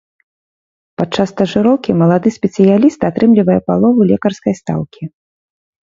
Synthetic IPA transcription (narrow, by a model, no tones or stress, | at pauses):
pat̪̚t͡ʂːast̪ɐʐɨɾɔwkʲimɐlˠad̪ɨsʲpʲɛt̪sɨjalʲist̪at̪ɾɨmlʲivɐjɛpalˠɔvulʲɛkɐrskɐjst̪a̰wkʲi